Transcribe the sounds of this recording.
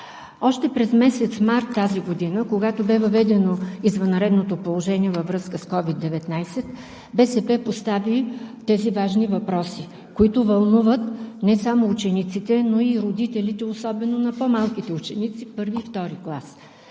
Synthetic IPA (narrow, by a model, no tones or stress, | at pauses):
ɔʃt̪ɛpɾɛzmɛsɛt̪smaɾt̪ːaziɡod̪inəkoɡat̪obɛvɐvɛd̪ɛnoizvɐnɾɛd̪not̪opolˠoʒɛniɛvɐvɾɤskəskɔvid̪ːɛvɛt̪najsɛt̪ | bɛsɛpɛpost̪avit̪ɛzivaʒnivɐpɾɔsi | koit̪ovɐlˠnuvət̪nɛsamoːt͡ʃɛnit̪sit̪ɛnoiɾod̪it̪ɛlit̪ɛosɔbɛnonɐpomalˠkit̪ɛut͡ʃɛnit̪sipɤɾvift̪ɔɾiklˠas